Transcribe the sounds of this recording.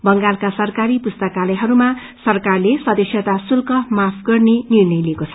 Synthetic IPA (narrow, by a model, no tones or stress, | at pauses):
bʌŋɡalkasʌrkaɾipust̪ʌkalʌjɦʌɾuma | sʌrkarlesʌd̪ʌsjʌt̪asulkʌmapʰɡʌrnenirnʌjliekot͡sʰʌ